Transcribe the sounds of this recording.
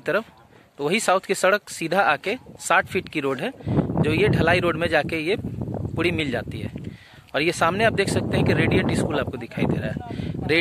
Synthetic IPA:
t̪əɾəfʰ | t̪oʋɐɦisaːʊt̪ʰkesɐɽəksiːd̪ʱaaːkesaːʈʰpʰiːʈkiɾoːɖɦɛd͡ʒoːjeɖʱɐlaːiɾoːɖmẽd͡ʒaːkejepʊɽimɪld͡ʒa̰ːt̪iɦɛ̰ː | ɔːɾjesaːmneaːp̚d̪eːkʰsɐk̚t̪eɦɛ̃kiɾeːɖieʈiskuːlaːp̚kod̪ɪkʰaːid̪ḛːɾa̰ɦɛɛɾe

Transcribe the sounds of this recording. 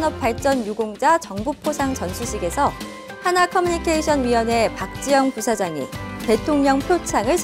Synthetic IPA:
nʌp̚p͈aɭt͡ɕ͈ʌnjuɡoŋd͡ʑat͡ɕʌŋbupʰosʰaŋt͡ɕʌnsʰuɕʰiɡe̞sʰʌ | hanakʰʌmuɲikʰeiɕʰʌnɥiwʌne̞pak̚t͡ɕ͈ijʌŋpusʰad͡ʑaŋḭte̞tʰoŋɲʌŋpʰjot͡ɕʰaŋɯɭɕ

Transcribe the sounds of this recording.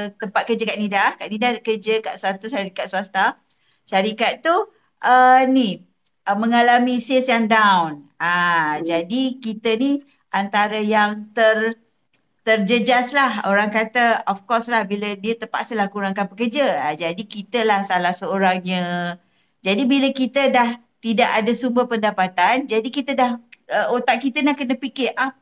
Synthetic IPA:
t̪əmpat̪̚kərd͡ʒəkaʔnidakaʔnidakərd͡ʒəka̰ʔsuat̪uʃaɾikat̪̚suast̪a | ʃaɾikat̪̚t̪ːu | ʔəni | əmə̃ŋalamĩsɪsjaŋdawnad͡ʒadikit̪əni | ʔant̪aɾəjaŋt̪ər | t̪ərd͡ʒəd͡ʒaslahoɾaŋkat̪əɔfkɔslahbilədiət̪əpa̰ʔsəlahkuɾaŋkanbəkərd͡ʒaad͡ʒadikit̪əlahsalahsəoɾaŋɲə | d͡ʒadibiləkit̪ədah | t̪idaʔadasumbəhpəndapat̪and͡ʒadikit̪ədahəʔot̪aʔ̚kit̪ənahkənəpikɪʔʔa

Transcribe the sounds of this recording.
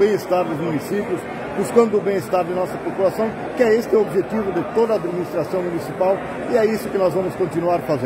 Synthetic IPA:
bẽɪst̪aɾd̪ʊzmunisipjʊs | buskɐ̃nd̪ʊʊbẽj̃ɪst̪aɾd̪ɪnɔsɐpopulasɐ̃w̃ | kɪɛest̪ɪobʒet̪ivʊd̪ɪt̪od̪ɐːd̪minist̪ɾasɐ̃w̃munisipaw | ɪɛisʊkɪnɔzvɐ̃mʊskõnt̪inuaɾfazẽ

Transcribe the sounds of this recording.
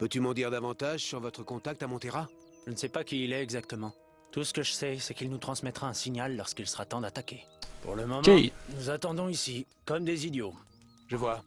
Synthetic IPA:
pøt̪ymɑ̃d̪iʁd̪avɑ̃t̪aʒsyʁvɔt̪χəkɔ̃t̪ak̚t̪amɔ̃t̪eʁa | ʒ̥ənəsɛpakʲiːlɛɛɡzak̚t̪əmɑ̃ | t̪usə̥kəʒəsɛsɛkilnut̪χɑ̃smɛt̪χaɛ̃siɲalːɔʁskilsə̥ʁat̪ɑ̃d̪at̪akʲepṵʁləmɔmɑ̃nuzat̪ɑ̃d̪ɔ̃isi | kɔmd̪ezid̪jo | ʒəvwa

